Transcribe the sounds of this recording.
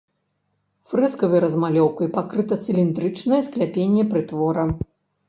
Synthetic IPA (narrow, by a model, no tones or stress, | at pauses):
fɾɛskɐvɨjɾɐzmalʲɔwkɐjpakɾɨt̪ɐt̪sɨlʲind̪ɾɨt͡ʂnɐjɛsklʲapʲenʲːɛpɾɨt̪vɔɾɐ